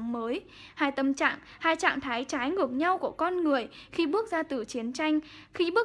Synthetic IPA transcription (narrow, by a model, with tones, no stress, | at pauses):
məː˨˦j | haː˧jt̪ə˧mt͡ɕa̰ː˧˨ŋ | haː˧jt͡ɕa̰ː˧˨ŋt̪ʰaː˨˦jt͡ɕaː˨˦jŋɨ˨˩ək̚ɲa˧wku˧˩əkɔ˧nŋɨ˨˩əjxi˧ɓɨ˦˥ək̚zaː˧t̪ɨ˨˩t͡ɕi˨˦ənt͡ɕa˧jŋ̟xi˧ɓɨ˦˥ə